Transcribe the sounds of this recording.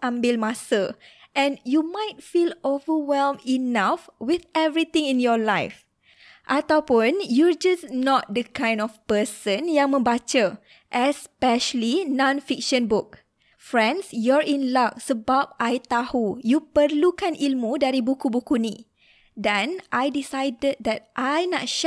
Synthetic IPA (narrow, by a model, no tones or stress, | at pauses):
ãmbɪlmãsəʔɛ̃njumajt̚filovəwɛlminafwiðɛvɹit̪ĩŋĩnjɔlajf | ʔat̪awpʊnjɔd͡ʒasnɔt̚dəkãj̃ndɔfpəsə̃njãŋmə̃mbat͡ʃə | ʔɛspɛʃəlinɔ̃nfik̚ʃə̃nbʊk̚ | fɹɛ̃nsjɔɹĩnlaksəbap̚ʔajt̪ahujupəɾlukanʔilmudaɾibukubukuni | dɛ̃nʔajdisajdəd̚d̪ɛt̚ʔajnatʃ